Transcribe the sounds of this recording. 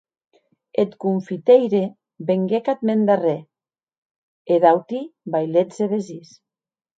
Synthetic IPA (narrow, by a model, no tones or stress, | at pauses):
et̪kuɱfit̪ejɾe | beŋɡekat̪mend̪are | eðawt̪ibajlezeβezis